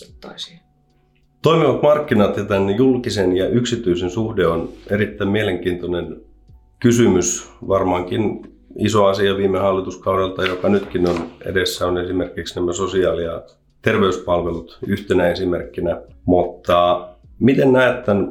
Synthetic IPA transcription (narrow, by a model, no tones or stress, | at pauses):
se̥t̪t̪o̰isiɑ | t̪oimiʋɑt̪mɑrkːinɑt̪jɑt̪ænjulkisenjɑʔyksit̪yisensuhdeoneɾit̪ːæimieleŋkiːnt̪onen | kysymysʋɑrmɑŋkin | isoɑsiɑʋiːmːˑehɑlːit̪uskɑuɾelt̪ɑjokɑnyt̪kinonḛdesːæonesimerkiksnæmːæsosiɑːliɑ | t̪erʋeyspɑlʋelut̪yht̪enæesimerkːinæmut̪ːɑ | mit̪ennæːt̪ːæn